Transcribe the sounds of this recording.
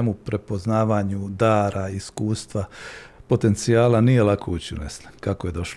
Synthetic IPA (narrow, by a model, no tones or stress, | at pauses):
emupɾe̞po̞znaːʋaːɲud̪aːɾaiskuːst̪ʋapo̞t̪e̞nt̪sijaːlanije̞lakʰout͡ɕiṵnḛslakakoje̞d̪o̞ʃ